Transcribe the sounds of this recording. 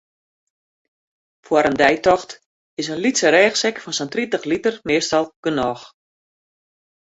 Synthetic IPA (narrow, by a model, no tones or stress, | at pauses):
fwaɾəndɛjtɔxt | ɪsənlitsəɾɛːxsɛkfɔnsəntritəxlitərmɪːstɔlˠɡ̥ənɔːx